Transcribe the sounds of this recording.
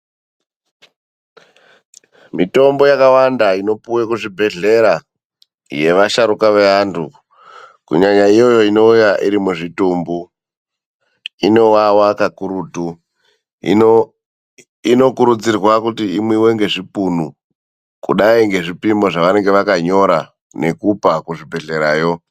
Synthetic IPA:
mito̞mbo̞jakawandaino̞puwekuʐibʱe̞ɮe̞ɾa | je̞ʋaʃaɾukaʋeantʰu | kṵɲaɲaijo̞jo̞ino̞ujaʔiɾimuʐitumbu | ino̞wawakakuɾutu | ḭno | ino̞kuɾud͡zirwakutiimwiwe̞ŋɡe̞ʐipunu | kuɗaiŋɡe̞ʐipimo̞ʐaʋane̞ŋɡe̞ʋakaɲo̞ɾa | ne̞kupakuʐibʱe̞ɮe̞ɾaːjo̞

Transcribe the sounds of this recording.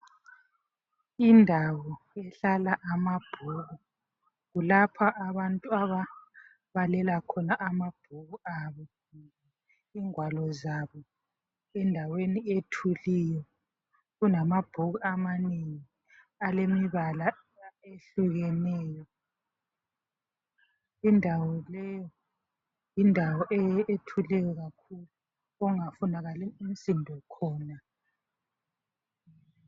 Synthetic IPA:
indʱawɔ | ɛɬalaʔamab̥ʱoɣu | ɣulapʰaʔːβantʼuaβa | βalɛlakʰɔnaʔamab̥ʱoɣuaβɔ | iːŋwalɔzaβɔ | ɛndʱawenietʰulijɔ | ɣunamab̥ʱoɣuamaneŋi | alemiβala | eɬuɣɛnɛːjɔ | indʱawɔlɛjɔ | jindʱawɔʔɛetʰulɛjɔɣakʰulu | ɔŋafunaɣalɛinsʼindʱɔkʰɔːna

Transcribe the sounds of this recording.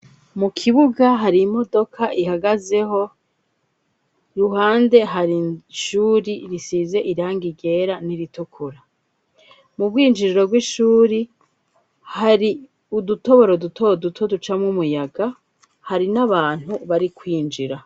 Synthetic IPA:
mukʰiβuɡaɦaɾimo̞do̞kʰaʔihaɡaze̞ɦo̞ | ɾuɦaːnde̞ɦaɾiʃuːɾiɾisize̞ʔiɾaːŋɡiɡe̞ːɾaniɾitukʰuɾa | mub̚ɡiːnd͡ʒiɾiɾo̞bɡwiʃuːɾi | haɾi | uduto̞βo̞ɾodutodutʰo̞dut͡ʃamŋumujaɡa | haɾinaβaːn̥huβaɾikwiːnd͡ʒiɾa

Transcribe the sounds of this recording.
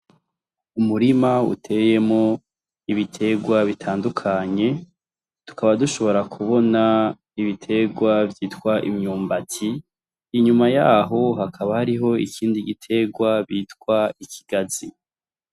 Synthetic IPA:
umuɾimaṵtʰe̞ːje̞mŋo̞ | iβitʰe̞ɡwaβitʰaːndukʰaɲe̞ | tu̥kaβaduʃo̞βo̞ɾakʰuβo̞na | iβitʰe̞ɡwavjiːtkwaʔimɲuːmbatʰiː | ɲumajaːɦo̞ɦakʰaβahaɾiɦo̞ḭkiːndiɡitʰe̞ɡwaβitkwaicʰi̥ɡ̥azi

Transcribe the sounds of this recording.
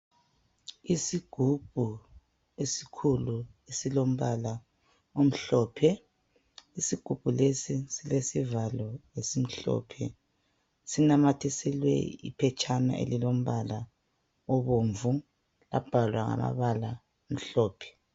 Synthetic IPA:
isiɡ̥ʱub̥ʱu | esi̥kʰuluesilom̩βala | om̩ɬɔːpʰɛ | isiɡ̥ʱub̥ʱulesisilesivalɔjesim̩ɬɔ̰ːpʰɛ̰ | sinamatʰɛsɛlwɛ̰ḭpʰɛt͡ʃʼana̰ʔḛlilom̩βala | ɔβoːɱvu | a̰b̥ʱalwaŋa̰ma̰βala | om̩ɬɔːpʰɛ̥

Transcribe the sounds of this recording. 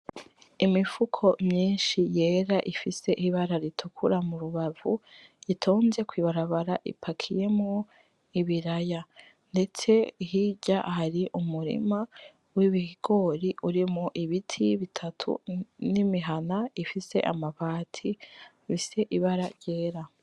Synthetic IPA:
imifukʰo̞mɲiːnʃije̞ːɾaʔifise̞ʔiβaɾaɾitʰukʰuɾamuɾuβavuitʰoːnze̞kwiːβaɾaβaɾaʔḭpʰakʰije̞mŋo̞ | iβiɾaja | nde̞t͡se̞hiɟahaɾiʔumuɾḭma | wiβihiɡ̥o̞ɾiʔuɾimŋoʔiβitʰiβitʰatʰṵnimiɦanaifise̞̰ʔa̰maβaːtʰi | βise̞ʔiβaɾaɾje̞ːɾa

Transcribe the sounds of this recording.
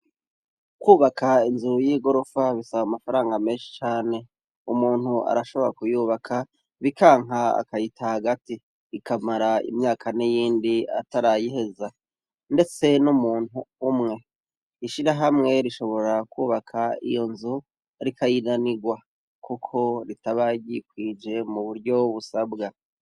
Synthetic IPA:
kwuːβakʰainzujiːɡo̞ɾofaβisaβamafaɾaːŋɡameːnʃi̥t͡ʃaːne̞ | umuːn̥hua̰ɾaʃo̞βo̞ɾa̰kujuːβakʰa | βikʰaːŋɦaa̰kajitʰahaɡati | ikamaɾaḭmɲaːkʰanijiːndia̰taɾajihe̞za | nde̞t͡se̞numuːn̥huːmŋe̞ | iʃiɾaɦamŋe̞ɾiʃo̞βo̞ɾakuːβakʰaḭjo̞nzu | ɾikʰajinaniɡwa | kukʰo̞ɾitaβaɟikwiːd͡ʒe̞muβuɾɟo̞βusabɡa

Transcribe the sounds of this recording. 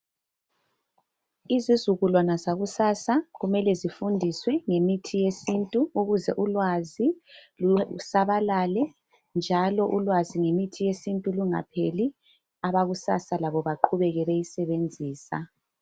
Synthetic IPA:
izizuɣulɔnazaɣusaːsaɣumɛlɛzifundʱiswɛŋemitʰijesintʼuuɣuzɛʔulwazilusaβalalɛ | nd͡ʒʱalɔʔulwaziŋemitʰijesintʼuluŋa̰pʰeli | aβaɣusa̰salaβɔβaǃʰuβɛɣɛβɛisɛβend͡zʱiːsa̰

